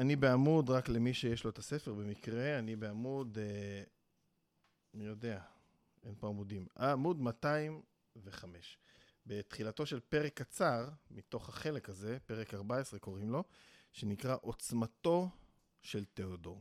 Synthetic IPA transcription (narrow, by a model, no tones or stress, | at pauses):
anibe̞amudʁakle̞miʃejeʃlo̞et̪ase̞feʁbe̞mikʁe̞anibeamud̪ | mijode̞a | e̞npoamudimaːmud̪mataim | veχame̞ʃ | be̞t̪χilato̞ʃe̞lpe̞ʁekːat͡saʁmit̪o̞χhaχe̞lekaze̞pe̞ʁekaʁbae̞sʁe̞ko̞ʁimlo̞ʃe̞nikʁaʔo̞t͡smato̞ | ʃe̞lt̪eodo̞